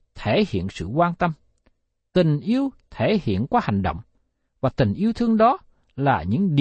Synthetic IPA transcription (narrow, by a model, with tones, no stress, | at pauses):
t̪ʰe˧˩hḭ˧˨ənsɨ̰˧˨kwaː˧nt̪ə˧m | t̪ï˨˩ŋ̟ʔi˧əwt̪ʰe˧˩hḭ˧˨ənkwaː˨˧˦ha˨˩jŋ̟ɗo̰˧˨wŋ͡m | vaː˨˩t̪ï˨˩ŋ̟ʔi˧əwt̪ʰɨ˧əŋɗɔ˨˦ | laː˨˩ɲɨ̰˧˥ŋɗi˨